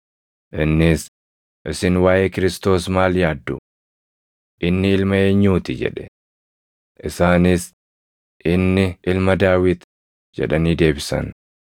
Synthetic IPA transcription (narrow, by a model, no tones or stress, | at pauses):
ʔɪnːɪs | ʔɪsɪnwaːʔeːkɪɾɪst̪o̞ːsmaːljaːd̪ːʊ | ʔɪnːɪɪlmɐeːɲːuːt̪ɪd͡ʒɛ̰ᶑɛ̥ | ʔɪsaːnɪs | ʔɪnːɪɪlmɐd̪aːwɪt̪ | d͡ʒɛ̰ᶑɐniːd̪e̞ːbɪsɐ̰n